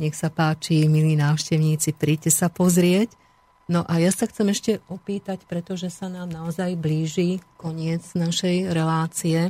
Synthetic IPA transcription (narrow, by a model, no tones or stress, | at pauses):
ɲɛxsapaːt͡ʃimiliːnaːʊʃcɛʊɲiːt͡sipɾiːcɛsapɔzɾɪɛc | nɔʔajasaxt͡sɛmɛʃcɛɔpiːt̪acpɾɛt̪ɔʒɛsanaːmnaɔzajbliːʒikɔɲɪɛd͡znaʃɛjɾɛlaːt͡siɛ